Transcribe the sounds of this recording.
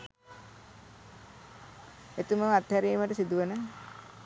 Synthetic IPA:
et̪uməat̪ːhaɾiːməʈəsid̪uʋənə

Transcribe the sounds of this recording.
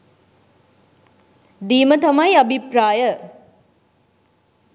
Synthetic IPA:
d̪iːmət̪ɐmɐjɐbʱipɾaːjə

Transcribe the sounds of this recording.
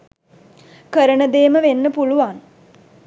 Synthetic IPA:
kəɾənəd̪eːməʋenːəpuluʋan

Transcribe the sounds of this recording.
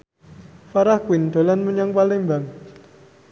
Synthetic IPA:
faɾahkwɪnd̪̥o̤lanməɲaŋpalimbaŋ

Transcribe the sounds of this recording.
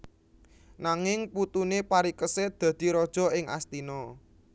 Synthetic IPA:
naŋɪŋput̪unepaɾikəsed̪̥ä̤d̪̥i̤ɾɔd̥ʒ̥ɔ̤ɪŋa̰st̪inɔ

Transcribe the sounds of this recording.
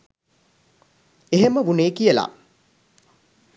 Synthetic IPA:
eɦeməʋuneːkijəla̰

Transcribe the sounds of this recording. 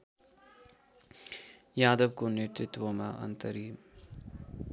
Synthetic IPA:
jaːd̪əʋkoneɾt̪ɾɪt̪ʋomaʔɐ̰nt̪əɾiːm

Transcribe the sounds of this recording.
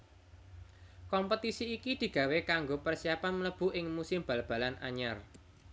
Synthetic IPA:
kɔmpət̪isiːkid̪̥i̤ɡ̥a̤wekaŋɡopərsiapanmələb̥ṳʔɪŋmusɪmb̥alb̥ä̤lana̰ɲar

